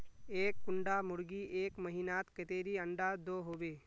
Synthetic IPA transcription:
eːkːʊɳɖamʊɾɡiʔeːkməɦinaːt̪kɪt̪eːɾiə̃ɳɖaːd̪oːɦoːbeː

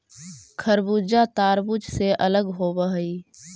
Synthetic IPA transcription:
kʰəɾbuːd͡ʒat̪aːɾbud͡ʒseʔələɡɦoːbəɦəi

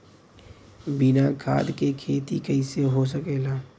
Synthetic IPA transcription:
bɪnakʰa̰ːd̪kekʰeːt̪ikəɪseɦos̬əkeːlaː

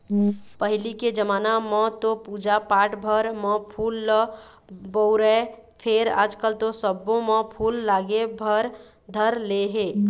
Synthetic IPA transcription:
pəɦɪliked͡ʒəmaːnamɔ̃t̪opuːd͡ʒapaːʈbʱəɾmɔ̃pʰuːlː | bəʊɾɛ | pʰeɾa̰ːd͡ʒkəlt̪osəbõmɔ̃pʰuːlːaːɡebʱəɾ | d̪ʱəɾleɦeː

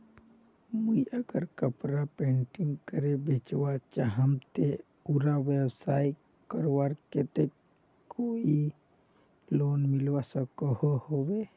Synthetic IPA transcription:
muiəɡəɾkəpɾapẽːɳʈɪ̃ŋɡkəɾebet͡ʃwat͡ʃaɦəmt̪e | uɾaʋebsaːi | kəɾowaɾket̪e | koːi | loːnmɪlwasəkohohowe

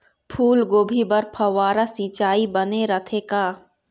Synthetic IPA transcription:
pʰuːlɡoːbʱibɐɾpʰɐwaːɾasĩːt͡ʃaːibɐneɾɐt̪ʰekaː

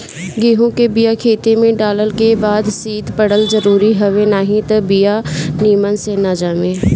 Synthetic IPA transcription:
ɡiːɦõkebijakʰeːt̪emẽɖaːləlkebaːd̪siːd̪pɐɽəlzɐɾuːɾiɦɐʋenaːɦĩt̪ɐbijaniːmənsenaːd͡ʒaːmẽː

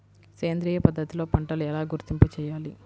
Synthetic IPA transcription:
keːnd̪ɾiːjɐpɐd̪ʱːɐt̪ilo̞ːpɐɳʈɐluɛlaːɡuɾt̪imput͡ʃɛːjaːli

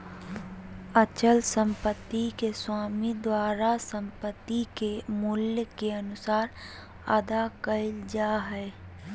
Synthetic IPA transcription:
ət͡ʃəlsə̃mpət̪ːikeswaːmid̪waːɾasə̃mpət̪ːikemʊljkeɐnʊsaːɾ | ə̰d̪akəɪld͡ʒaːɦɛː

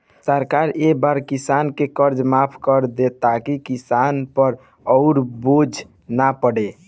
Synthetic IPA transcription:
səɾkaɾebaɾkisankekəɾd͡ʒmapʰkəɾd̪et̪akikisanpəɾ | ɔʊɾbod͡ʒʱ | napəɽe

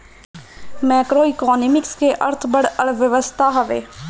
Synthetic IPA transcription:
mɛːkɾoːɪkɔːnemɪkskeʔəɾt̪ʰbəɽəɽʋjəʋəst̪ʰaɦəʋḛː

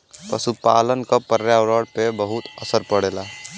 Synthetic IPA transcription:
pəsupaːlənkapəɾjaɾəɽpebəɦʊt̪əsəɾpəɽeːlaː

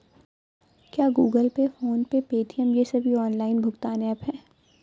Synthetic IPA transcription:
kjaːɡuːɡəlpefoːnpepeːʈʰijəmjesɐbʱiɔːnlaːɪnbʱʊɡt̪aːnɛːpɦɛː

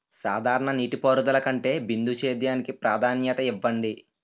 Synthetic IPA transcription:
saːd̪ʱaːɾɐɳɐniːʈipoːɾud̪ɐlɐkɐɳʈe̞ːbind̪ʱut͡ʃeːd̪jaːnikipɾaːd̪ʱaːnjɐt̪ɐiʋːɐɳɖi

